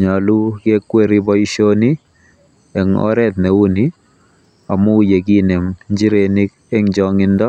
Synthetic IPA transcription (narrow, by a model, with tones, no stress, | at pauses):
ɲa˨lu˦ɡe˦kwe˦ɾi˦bɔ˦i˦ʃo˦ni˦ | ɛ˨ŋɔ̰˦ɾɛ˦t̪nɛ˨u˦ni˦ | a˨mu˦je˨ɡi˦nɛ˨mɲd͡ʒi˦ɾe˨ni˦k | e˦ŋd͡ʒɔŋɪ˦ndɔ˦